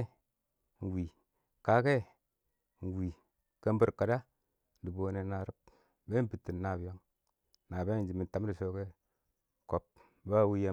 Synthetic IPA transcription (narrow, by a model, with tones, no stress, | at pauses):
n˨wi˨ | ka˦ke˦˨ | n˨wi˨ | ka˦m˦bi˦ɾka˨da˦ | n˨di˨bo˨ne˨˦na˨ɾi˦p | be˦pi˨tːi˨n˦na˨bi˨jo˦ŋ | na˨be˦˨d͡ʒi˨mi˨n˨ta˨˦m˦ɾi˨so˦ke˦ | ko˨p̚ | ba˦˨wu˦ja˦